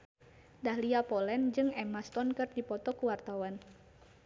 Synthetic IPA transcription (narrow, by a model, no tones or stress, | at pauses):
dahliapɔlɛnd͡ʒɨŋɛmast̪ɔnkɨrdipɔt̪ɔkuwart̪awan